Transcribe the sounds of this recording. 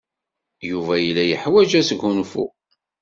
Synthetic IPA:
juvæjəlːæjəħwæd͡ʒæsɡunfṵ

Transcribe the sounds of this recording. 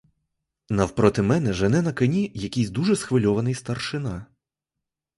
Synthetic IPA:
nɐwpɾɔt̪ɪmɛnɛʒenɛnɐkɐnʲijɐkʲijsʲd̪uʒɛsxʋɪlʲɔʋɐnɪjst̪ɐrʃɪnɑ

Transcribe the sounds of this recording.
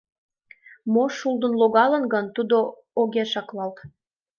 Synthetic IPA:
moʃuld̪ə̆nloɣɑlənɡənt̪ud̪oː | ɣeʃɑklɑlt̪

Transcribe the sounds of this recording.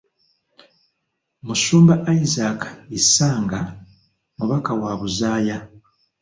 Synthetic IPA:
musuːmbaʔaizakḁisːaːŋɡa | muβakawaβuzaːja

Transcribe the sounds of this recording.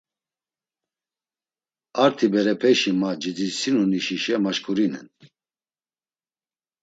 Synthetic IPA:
aɾt̪ʰibɛɾɛpʰɛʃimad͡ʒid͡zisinuniʃiʃɛmaʃkʰʼuɾinɛn

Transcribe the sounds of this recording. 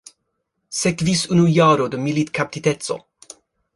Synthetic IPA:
sɛkvisunujaːɾod̪əmilit̪kʰap̚t̪it̪ɛtt͡so̰

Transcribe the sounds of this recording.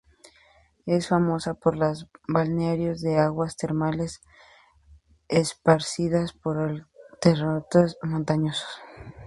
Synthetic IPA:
e̞sfamo̞sapo̞ɾlazβalneaɾjozðeaɣwast̪eɾmale̞s | espaɾsiðaspo̞ɾelt̪eroot̪osmõnt̪aɲo̞so̥s

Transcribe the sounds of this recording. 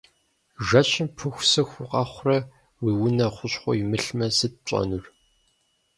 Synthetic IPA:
ʒɐʃɪmpʰɨxʷsɐxʷʊqʼɑχʷrɐ | wiːwʊnɐχʷʊɕχʷɔ̰jɪmɨɬmɐsɨt̚t͡ʃʷʼɐ̰nur

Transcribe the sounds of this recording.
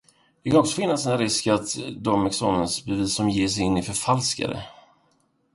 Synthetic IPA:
d̪̥ɛkʰanɔksɔfɪnːasɛnɾɪskat̪d̪ɔmɛkso̰ːmənsbɛviːsɔmjeːʂ̬ɛjɪnːɪfœɾfalska̰ɾə̰

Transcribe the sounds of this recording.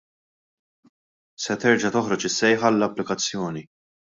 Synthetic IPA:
sɛt̪ɛɾd͡ʒɐt̪ɔħɾɔt͡ʃɪsːɛjħɐlːɐpːlɪkɐt͡sːjɔːni

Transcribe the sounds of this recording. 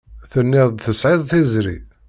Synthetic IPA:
θənːɪðθəsʕɪðˤθizɾḭ

